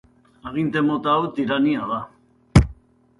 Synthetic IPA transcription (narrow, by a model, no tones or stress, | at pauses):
aɣint̪emot̪awt̪iɾaniaða